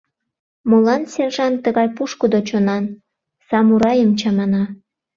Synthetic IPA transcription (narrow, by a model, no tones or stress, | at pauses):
molɑnserʒɑnt̪əɣɑjpuʃkəd̪ot͡ɕonɑn | sɑmuɾɑjəmt͡ɕɑmɑnɑ